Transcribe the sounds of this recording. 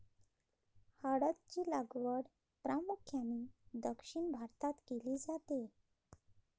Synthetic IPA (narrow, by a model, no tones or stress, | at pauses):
haɽat̪̚t͡ɕiːlaɡʋəɽ | pɾamukʰjanid̪əkʂiɳbʱaɾt̪at̪keliːd͡zat̪e